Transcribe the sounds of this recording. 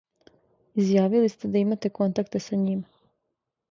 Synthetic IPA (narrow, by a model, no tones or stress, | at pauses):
izjaːʋilist̪e̞d̪aimat̪e̞ko̞nt̪akt̪esaɲim